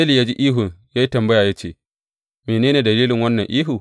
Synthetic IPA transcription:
e˦li˨jaː˦d͡ʒi˦ʔiː˦ɦʊ˨ŋjaː˦ji˦tɐ˨mbɐ˦jaː˨jaː˦t͡ʃḛː˦˨ | meː˨neː˦neː˨dɐ˨liː˦lɪ˨ŋwɐ˦nːɐ˨ŋʔiː˦ɦu˨

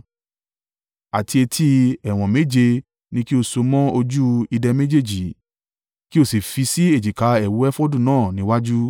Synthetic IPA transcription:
a˨ti˧e˧tʰi˧˦ɛ˨w̃ɔ̃˨me˨˦d͡ʒe˧ | nĩ˧ki˦o˧˨so˧mɔ̃˦o˧d͡ʒu˦i˧dɛ˧me˦d͡ʒe˦˨d͡ʒi˨˦ | ki˦o˦˨si˨fi˧si˦e˦˨d͡ʒi˨ka˨˦ɛ˨wo˨˦ɛ˦fo˦dũ˦˨nãː˦˨nĩ˨˦wa˦d͡ʒu˦

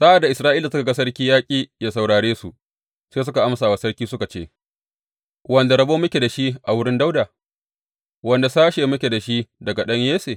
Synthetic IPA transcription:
sa˦ʔa˨dːa˨ʔɪ˨sɾaː˦ʔiː˦la˨sʊ˦ka˨ɡa˦sɐ˦ɽkʲiː˦jaː˦kʲʼiː˦jaː˦sa˨wɽaː˨ɽeː˦su˨ | seː˦s̬ʊ˦ka˨ʔa˦msaː˨wa˨sɐ˦ɽkʲiː˦sʊ˦ka˨t͡ʃḛː˦˨ | wɐ˦nda˨ɽɐ˦boː˦mʊ˦kʲe˨da˨ʃi˦ʔa˨wʊ˦ɽɪ˦nda˦wdaː˨ | wɐ˨nda˨saː˦ʃeː˨mʊ˦kʲe˨da˨ʃi˦dɐ˨ɡa˨ɗɐ˦ɲjeː˦seː˨

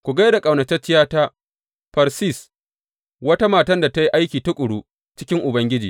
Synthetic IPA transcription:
kʷu˨ɡɐ˦jda˨kʼa˨wnɐ˨t͡ʃɛ˦t͡ʃɪ˦jaː˦taː˦ | ɸɐ˨ɾsi˦˨s | wɐ˦ta˦maː˨tɐ˦nda˨ta˦ji˦ʔa˦jkʲiː˨ta˦kʷʼʊ˨ɽuː˦ | t͡ʃɪ˦kʲɪ˦ŋʔʊ˨bɐ˦ŋɡʲɪ˦d͡ʒiː˨

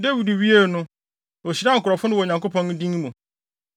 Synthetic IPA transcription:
de˦wi˨du˨ɥi˦e˦˨nʊ̃˦ | o˨ɕi˨ɾã˦ŋ̩˨kʊ˨ɾɔ˨fʊ˦nʊ̃˦wɔ˨ɲã˨ŋko˦pʰɔ̃˦n˦dĩ˦ŋ˦mũ˨

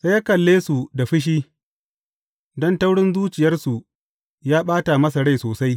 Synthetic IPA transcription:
se˦jaː˦kɐ˨lːeː˦su˨da˨ɸɪ˦ʃ̬iː˦ | dɔ˦nta˦wɽɪ˦nzuː˦t͡ʃɪ˨jɐ˦rsu˨ | jaː˦ɓaː˦ta˨mɐ˦s̬a˨ɽa˦jsoː˨sa˦j

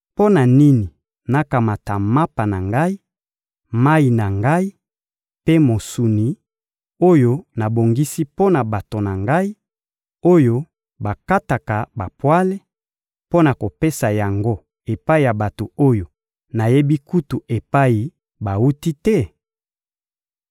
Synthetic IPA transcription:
po˦na˨ni˦ni˨ | na˨ka˨ma˨ta˨ma˦pa˨na˨ŋɡa˦i˦ | ma˦i˨na˨ŋɡa˦i˦ | pe˦mo˨su˨ni˨ | o˦jo˦na˨bo˨ŋɡi˦si˦po˦na˨ba˨to˨na˨ŋɡa˦i˦ | o˦jo˦ | ba˨ka˦ta˨ta˨ba˨pwa˦le˦ | po˦na˨ko˨pe˦sa˨ja˨ŋɡo˦ | e˨pa˦i˨ja˨ba˨to˨o˦jo˨ | na˨je˦bi˦ku˦tu˨ʔe˨pa˦i˨ | ba˨u˦ti˦tɛ˦

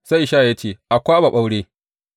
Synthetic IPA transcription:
sa˦jʃaː˦˨ja˦t͡ʃeː˦˨ʔa˨kʷaː˦ba˨ɓa˦wɽeː˦

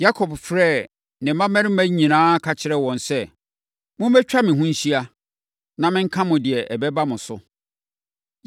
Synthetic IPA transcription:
ja˦kʰɔ˨bfɾɛ˦˨ | nɪ̃˨˦mã˦mɛ˦ɾɪ˦mæ̃˦ɲĩ˨nãː˦kʰa˨t͡ɕʰɪ˦ɾɛ˦˨wɔ̃˨nsɛ˦˨ | mʊ̃˦m˦bɛ˦t͡ɕᶣa˦mɪ̃˨ɦũ˦ɲ̩˦ɕi˦a˦ | nã˨mɪ̃˦ŋ̩˦kʰã˦mʊ̃˨dɪ˨ɛ˨ʔɛ˨bɛ˦ba˦mʊ̃˨sʊ̰˨

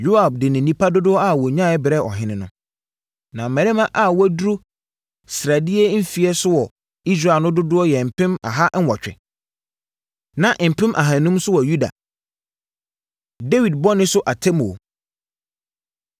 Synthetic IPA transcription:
jo˦a˨b̚dɪ˨nɪ̃˨nĩ˦pʰa˦dʊ˦dʊ˦ɔ˦a˦˨wɔ˨ɲã˦˨ɛ˦bɪ˨ɾɛ˦ɔ̰˨ɦɪ̃˦nɪ̃˨˦nʊ̃˨˦ | nã˨mæ̃˨ɾɪ˦mã˦ʔa˦˨wɔ˦du˦ɾu˦ | sɾa˨dɪ˦ɛ˦m̩˦fi˨ɛ˦sʊ˦wɔ˨ | i˦s̬ɾa˦˨nʊ̃˦dʊ˦dʊ˦ɔ˦jɛ˨m̩˨pʰɪ̃˦ma̰˨ɦa˦ʔn̩˦wɔ˨t͡ɕᶣɪ̰˨ | nã˨ʔm̩˨pʰɪ̃˦mʔa̰˨ɦã˨nũ˦msʊ˦wɔ˨ju˦da̰˨ | de˦wi˨d̚bɔ˦nɪ̃˦sʊ˦ʔa˨tʰɛ˦mo̰˨

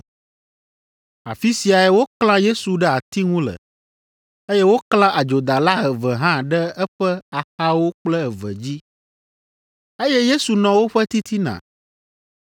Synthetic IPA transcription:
a̰˨fi˦si˨a˨ɛ˦wo˦kl̃ã˦je˦su˨ɖɛ˦a˨t̪i˦ŋũ˦lə̰˨ | e˦jɛ˦wo˦klã˦ʔa˨d͡ʒo˨d̪a˨la˦ɦɛ˨və˨ɦã˦ɖɛ˦ɛ˦ɸɛ˦a˨xa˦wo˦k͡plɛ˦ɛ˨və̰˨d͡ʑi˦ | e˦jɛ˦je˦su˨nɔ̃˨wo˦ɸɛ˦t̪i˦t̪ʰi˦nã̰˨

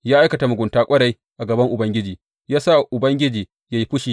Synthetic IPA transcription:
jaː˦ʔa˦jkɐ˨ta˨mʊ˨ɡʷʊ˨ntaː˦kʷʼɐ˦ɽa˨j | ʔa˨ɡɐ˨bɐ˦ŋʔʊ˨bɐ˦ŋɡʲɪ˦d͡ʒiː˨ | jaː˦sa˦˨ʔʊ˨bɐ˦ŋɡʲɪ˦d͡ʒiː˨ | ja˦ji˦ɸʊ˦ʃiː˨

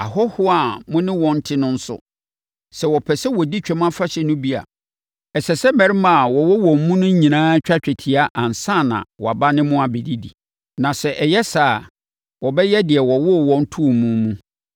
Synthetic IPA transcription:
a˨ɦɔ˦hʊ˦a˨mʊ̃˦nɪ̃˦wɔ̃˨n̩˦tʰɪ˦nʊ̃˦n̩˦sʊ̰˦ | sɛ˨wɔ˨pʰɛ˨sɛ˦wɔ˨di˦t͡ɕᶣɛ˦mã˦fa˦ɕɛ˨nʊ̃˦bi˦a̰˨ | ɛ˨sɛ˨sɛ˦mɛ̃˨ɾɪ˦mã˦a˨wɔ˨wɔ˦wɔ̃˨m̩˨mũ˦nʊ̃˦ɲĩ˨nãː˦t͡ɕᶣa˦t͡ɕᶣɛ˨tʰɪ˨a˦ʔã˨n̩˨sã˦˨nã̰˨wɔ˨a˨ba˦nɪ̃˦mʊ̃˦a˨bɛ˨di˦dḭ˨ | nã˨sɛ˨ʔɛ˨jɛ˦saː˨ | wɔ˨bɛ˦jɛ˦dɪ˨ɛ˨wɔ˨wɔ˦˨wɔ̃˦n̩˦tʰu˦˨mũ˦mũ˦

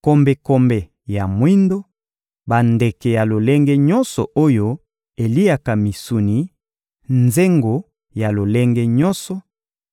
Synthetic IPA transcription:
ko˨mbe˨ko˨mbe˨ | ja˨mwi˦ndo˦ | ba˨nde˨kɛ˨ja˨lo˨le˦ŋɡɛ˦ɲɔ˦nsɔ˨ʔo˦jo˦ | e˨li˦a˨ka˨mi˨su˨ni˨ | nze˦ŋɡo˨ | ja˨lo˨le˦ŋɡe˦ɲɔ˦nsɔ˨

